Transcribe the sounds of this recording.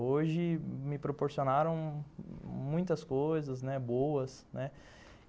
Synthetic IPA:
oʒɪmɪpɾopoɾsionaɾɐ̃w̃ | mũj̃t̪ɐskojzɐznɛbowɐsnɛ

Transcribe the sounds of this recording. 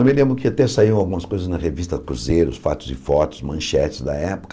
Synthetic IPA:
ɐ̃mẽlẽmbɾʊ̃kɪat̪ɛsaiɐ̃w̃awɡũmɐskojzɐznɐhevist̪ɐkɾuzeɾʊsfa̰t̪ʊ̥zɪfɔt̪ʊ̥smɐ̃ʃɛt͡ʃɪ̥zd̪ɐɛpʊ̥k

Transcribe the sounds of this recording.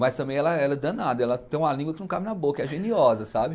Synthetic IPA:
mɐst̪ɐ̃mẽj̃ɛlɐɛlɐd̪anad̪ɐɛlɐt̪ẽj̃ũmɐlĩŋɡwɐkɪnɐ̃w̃kabɪnɐbokɐɛʒẽniɔzɐsabɪ

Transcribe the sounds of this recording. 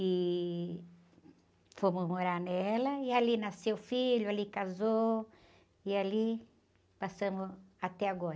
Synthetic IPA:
ɪ | fõmʊzmoɾaɾnɛlɐialinasewfiʎʊalikazo | iali | pasɐ̃mʊat̪ɛaɡɔɾ

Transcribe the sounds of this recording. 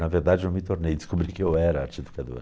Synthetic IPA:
nɐveɾd̪ad͡ʒɪewmɪt̪oɾnejd̪ɪ̥skobɾikɪewɛɾɐat͡ʃed̪ukad̪o̰ɾ

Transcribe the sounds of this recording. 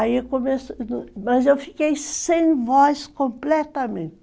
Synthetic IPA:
aikomesñmɐzewfi̥kejsẽj̃vɔskõmplɛt̪ɐmẽnt̪ɪ

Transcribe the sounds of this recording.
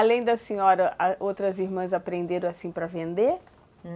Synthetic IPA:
alẽj̃d̪ɐsĩɔɾɐʔɐowt̪ɾɐziɾmɐ̃z̬apɾẽnd̪eɾɐ̃w̃asĩpɾɐvẽnd̪e

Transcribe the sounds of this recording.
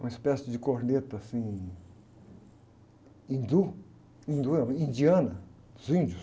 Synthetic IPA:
ũespɛsjud͡ʒikoɾnet̪asĩ | ĩnd̪u | ĩnd̪uĩnd̪iɐ̃nɐ | zĩnd͡ʒu

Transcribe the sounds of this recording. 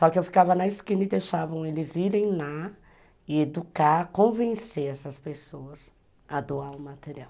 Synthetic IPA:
sɔkɪewfi̥kavɐnɐiskĩnɐɪd̪ejʃavɐ̃w̃elɪziɾẽj̃la | ɪed̪ukakõvẽseɛsɐspesoɐz | ad̪oaʊmat̪eɾiaw

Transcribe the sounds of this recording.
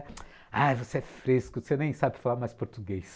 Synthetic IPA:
ajvoseɛfɾeskʊsenẽj̃sabɪfalaɾmajspoɾt̪uɡejs

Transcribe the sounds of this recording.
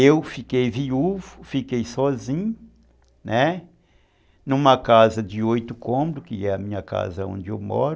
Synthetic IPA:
ewfikejviuvʊfikejsɔzĩɲʊ | nɛ | nũmɐkazɐd͡ʒɪojt̪ʊkõmbɾʊkɪɛɐmĩɲɐka̰zɐõ̰nd͡ʒɪewmɔ̰ɾ

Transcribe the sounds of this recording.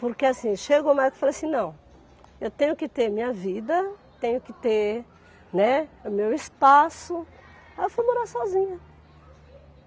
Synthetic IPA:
poɾkeasĩʃeɡomajzkɪ̥falasĩnɐ̃w̃ | ewt̪ẽjɲʊkɪt̪eɾmĩɲɐvid̪ɐt̪ẽɲʊkɪt̪eɾ | nɛʊmewɪspasʊ | ewfujmoɾaɾsɔzĩɲɐ

